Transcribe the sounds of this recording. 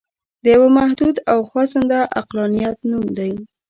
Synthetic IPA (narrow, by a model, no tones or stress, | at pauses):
d̪əjawamahd̪ud̪awxwɑsənd̪aʔa̰qlɑnijat̪numd̪aj